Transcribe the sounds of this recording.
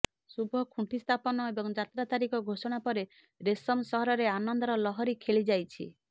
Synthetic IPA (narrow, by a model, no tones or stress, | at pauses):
subʱɔkʰũʈʰist̪ʰapɔnɔebɔŋd͡ʒat̪ɾat̪aɾikɔɡʱosɔɽ̃apɔɾe | ɾesɔmsɔɦɔɾɔɾeanɔnd̪ɔɾɔlɔɦɔɾikʰeɭid͡ʒajt͡ʃʰḭ